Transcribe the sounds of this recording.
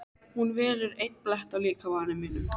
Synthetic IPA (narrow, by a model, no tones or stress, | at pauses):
hunvɛːɾɪɾejt̪plɛht̪awliːkavaːnɪmɪnːʏ̰m